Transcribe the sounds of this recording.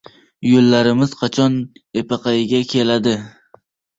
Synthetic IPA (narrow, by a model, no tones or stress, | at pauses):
jolːaɾɪmɪz̥qʰɑt͡ʃʰɒnepɑqɑjɪɡʲakʲʰelad̪ɪ